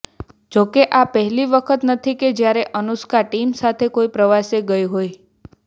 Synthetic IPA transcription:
d͡ʒokeʔapəɦɛliʋəkʰət̪nət̪ʰiked͡ʒjaɾeʔənuskaʈimsat̪ʰekoipɾəʋaseɡəjɦoj

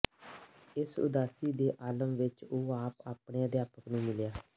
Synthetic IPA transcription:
ɪsʊ̰d̪aːsiːd̪eːʔaːləmʋɪt͡ʃoːaːpaːpɽeːəd̪jaːpəknũːmɪljaː

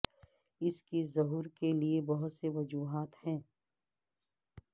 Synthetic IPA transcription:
ɪskizɐɦuːɾkeliebɐɦʊt̪seʋɐd͡ʒuːɦaːt̪hɛ̃ː

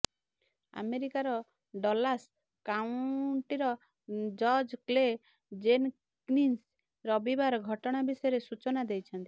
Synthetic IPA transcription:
a̰meɾikaɾɔ | ɖɔlas | kauɳʈiɾɔ | d͡ʒɔɾd͡ʒkle | d͡ʒen | knins | ɾɔbibaɾɔɡʱɔʈɔɽ̃abisɔjɔɾesut͡ʃɔnad̪ejt͡ʃʰɔnt̪i

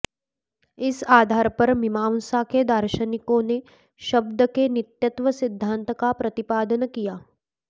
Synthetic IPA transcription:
ɪsaːd̪ʱaːɾpɐɾmɪmaːnsaked̪əɾʃənɪkõne | ʃɐb̚d̪əkenɪt̪jət̪ʋəsɪd̪ʱːãːnt̪kapɾɐt̪ɪpaːd̪ənəkijaː

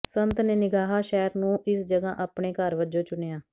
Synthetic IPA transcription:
sənt̪neːnɪɡaːɦaːʃɛːɾnũːʔɪsd͡ʒəɡãːʔaːpɳeːkəɾʋəd͡ʒõːt͡ʃʊnejaː

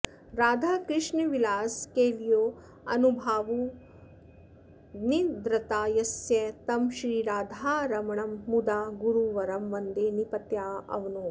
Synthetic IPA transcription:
ɾaːd̪ʱaːkɾɪʂɳɐʋilaːskeːlijoː | ɐnubʱaːʋu | nid̪ɾɐt̪aːjɐsjɐt̪ɐmʃɾiːɾaːd̪ʱaːɾɐmɐɳɐmːud̪aːɡuɾuʋɐɾɐmʋɐnd̪eːnipɐt̪jaːɐ̰ʋɐnu

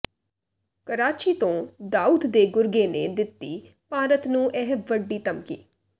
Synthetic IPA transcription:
kəɾaːt͡ʃiːt̪õːd̪aːuːd̪d̪eːɡʊɾɡeːnḛːd̪ɪt̪ːiː | paːɾət̪nũːʔɛɦʋəɖːiːt̪əmkḭː

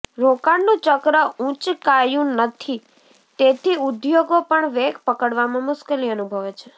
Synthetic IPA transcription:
ɾokaɽnũt͡ʃəkɾəũt͡ʃkajũnət̪ʰi | t̪et̪ʰiud̪joɡopəɳʋeɡpəkəɽʋamãmʊskəliənubʱəʋet͡ʃʰe

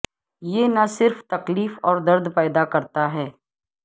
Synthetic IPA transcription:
jeːnasɪɾft̪ɐkliːfɔːɾd̪ɐɾd̪pɛːd̪akɐɾt̪aɦɛː

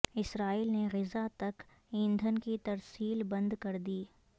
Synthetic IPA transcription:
ɪsɾaːiːlneɣɪzat̪ɐk | ɪ̃nd̪ʱənkit̪ɐɾsiːlbɐ̃nd̪kɐɾd̪iː

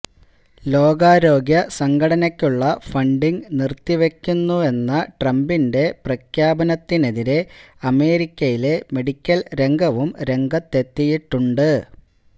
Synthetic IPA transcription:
lo̞ːɡaːɾo̞ːɡjɐsɐŋɡʰɐɽɐnɐkʲːuɭːɐfɐɳɖiŋɡnirt̪ːiʋe̞kʲːunːue̞nːɐʈrɐmbinde̞prɐkʰjaːbɐnɐt̪ːine̞ðiɾe̞ɐme̞ːɾikʲːɐjile̞me̞ɽikʲːɐlɾe̞ŋɡɐʋumɾe̞ŋɡɐt̪ːe̞t̪ːijiʈːuɳɖɨ

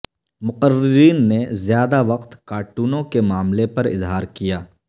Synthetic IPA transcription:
mʊqəɾɪɾiːnːezjaːd̪aʋɐqt̪kaːʈuːnõkemaːmlepɐɾɪ̰zɦaːɾkijaː

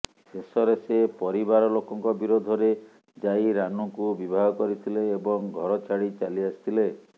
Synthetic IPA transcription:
sesɔɾesepɔɾibaɾɔlokɔŋkɔbiɾod̪ʱɔɾe | d͡ʒajɾanukubibʱaɡɔkɔɾit̪ʰileːbɔŋɡʱɔɾɔt͡ʃaɽit͡ʃaliasi̥t̪ʰile

